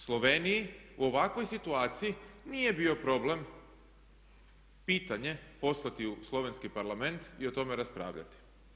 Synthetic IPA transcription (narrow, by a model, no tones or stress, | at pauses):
slˠo̞ʋeːnijiuo̞ʋakʋo̞jsit̪uaːt̪sijinije̞bio̞pɾo̞blem | piːt̪aɲe̞po̞slˠat̪iuslˠo̞ʋe̞nskipaɾlˠame̞nt̪io̞t̪o̞meɾaspɾa̰ːʋʎa̰t̪i̥